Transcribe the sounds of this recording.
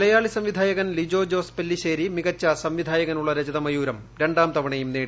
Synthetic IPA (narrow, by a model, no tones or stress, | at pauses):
lɐjaːɭisɐmʋid̪ʱaːjɐɣɐnlid͡ʑo̞ːd͡ʑo̞ːspelːiɕeːɾimiɣɐt͡ɕːɐsɐmʋid̪ʱaːjɐɣɐnuɭːɐɾɐd͡ʑɐðɐmɐjuːɾɐm | ɾeɳɖaːmt̪ɐʋɐɳɐjumneːɽi